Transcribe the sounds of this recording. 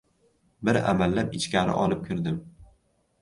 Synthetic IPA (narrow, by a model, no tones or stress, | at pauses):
bɪɾa̰malːapɪt͡ʃkʲaɾɪ̰ʔɒlˠɪp̚kʲʰɪɾd̪ɪm